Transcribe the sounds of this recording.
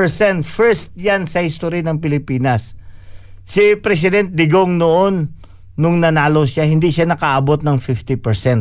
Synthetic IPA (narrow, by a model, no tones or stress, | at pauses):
ɛɹsɛnt̪fɛɹst̪̚jansɐhɪst̪oɾinɐŋpɪlɪpiːnɐs | sɪpɾɛs̬ɪd̪ɛnt̪̚d̪ɪɡoŋnoʔonː | ʊŋnɐnaːlo̞ʃahɪnd̪iʃanɐkaʔɐbo̞t̪̚nɐŋfift̪ɪpɛɹsɛnt̪̚